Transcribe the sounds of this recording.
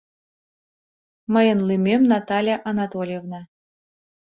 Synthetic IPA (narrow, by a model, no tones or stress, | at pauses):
məjə̆nlimʲemnɑt̪ɑlʲjaʔanɑt̪olʲjevnɑ